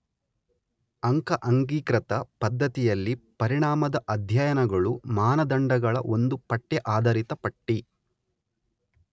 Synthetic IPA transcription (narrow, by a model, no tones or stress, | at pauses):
ɐŋkɐʔɐŋɡiːkɾɐt̪ɐpɐd̪ʱːɐt̪ijɐlːipɐɾiɳaːmɐd̪ɐʔɐd̪ʱjɐjɐnɐɡɐɭumaːnɐd̪ɐɳɖɐɡɐɭɐ̰ʔo̞nd̪upɐʈːɛʔaːd̪ɐɾit̪ɐpɐʈːi